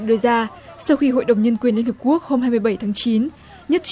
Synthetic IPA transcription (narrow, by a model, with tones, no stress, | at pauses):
ɗɨ˧zaː˧ | sa˧wxi˧ɦo̰˧˨jɗə˨˩wŋ͡mɲə˧nkwi˨˩ənli˧nhə˨˩p̚ku˦˥ək̚ho˧mhaː˧jmɨ˧jɓə˧˩jt̪ʰaː˨˦ŋt͡ɕi˨˦n | ɲə˦˥t̚t͡ɕ